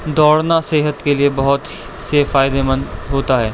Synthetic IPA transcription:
d̪ɔːɽnaseːɦət̪keliebɐɦʊt̪ | seːfaːɪd̪emə̃nɦoːt̪aɦɛː

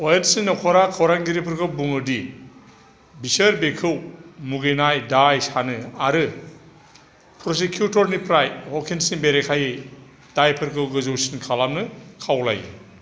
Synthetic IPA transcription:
ɔjensinːɔkʰɔɾakʰawɾaŋɡiɾipʰɯɾkʰɯwbuŋɯdi | bisɐɾbekʰɯwmuɡejnajdajsanɯaɾɯ | pʰɾɔs̬ekʰjutɔɾnipʰɾajhɔkʰensiŋbeɾekʰaji | dajpʰɯɾkʰɯwɡɯzowsinkʰalamnɯkʰawla̰j

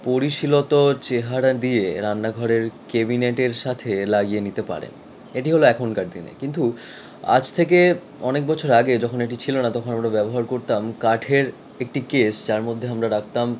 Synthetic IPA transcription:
poɾiʃilot̪ot͡ɕeɦaɾad̪ieɾanːaɡʱɔɾeɾkebineʈeɾʃat̪ʰelaɡijenit̪epa̰ɾḛn | eʈiɦoloɛkʰonkaɾd̪inḛkint̪u | a̰d͡ʑt̪ʰeke | ɔnek̚bɔt͡ɕʰoɾaɡed͡ʑɔkʰoneʈ̬it͡ɕʰilonat̪ɔkʰonamɾabɛboɦaɾkoɾt̪amkaʈʰeɾ | ek̚ʈikesd͡ʑaɾmod̪ʱːeamɾaɾak̚ʰt̪am

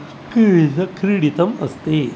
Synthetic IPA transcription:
kiɐkɾiɽit̪ɐmɐ̰st̪e

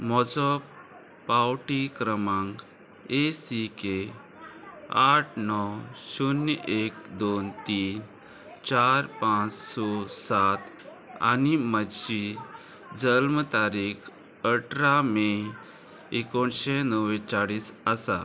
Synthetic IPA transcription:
mɔd͡zɔ | pawʈikɾəmãŋɡ | esike | aʈʰnɔsunʔek̚d̪ont̪iːn | t͡ɕaɾpãt͡ssɔsat̪ | a̰niməɕi | d͡zəlmt̪aɾikʰ | əʈʰɾame | ekoɳɕenəwet͡saɽiːsəsa̰

